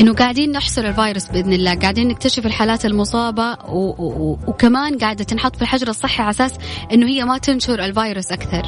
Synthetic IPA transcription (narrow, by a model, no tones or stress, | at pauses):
ʔɪnːʊɡaːʕd̪iːnːɪħsˤʊɾˤɪlvaːjɾɪsbɪʔɪðnɪlːaːɡaʕd̪iːnːɪk̚t̪aʃɪfɪlħaːlaːt̪almʊsˤɑːbawwkamaːnɡaːʕɪd̪at̪ɪnħɑt̪ːˤfilħad͡ʒɾˤɑsˤːɨħːaʕasaːsʔɪnːʊhɪjːamat̪ɪnʃʊɾˤɪlvaːjɾɪsʔakθɑɾˤ